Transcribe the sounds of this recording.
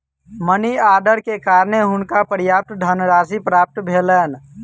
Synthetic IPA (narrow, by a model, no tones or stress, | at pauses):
məniaːd̪əɾkekaːɾneɦʊnkapəɾjap̚t̪d̪ʱənɾasipɾap̚t̪bʱeləːn